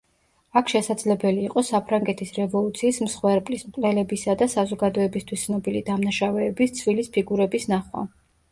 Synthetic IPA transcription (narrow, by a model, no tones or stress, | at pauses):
akʰʃɛsad̪z̥lɛbɛliːqʼɔsapʰɾaŋɡɛt̪ʰisɾɛvɔlˠut̪sʰiːsmsχwɛɾpʼlismkʼlɛlɛbisad̪asazɔɡad̪ɔɛbist̪ʰwist̪sʰnɔbilid̪amnaʃavɛːbist̪sʰvilispʰiɡuɾɛbisnaχwa̰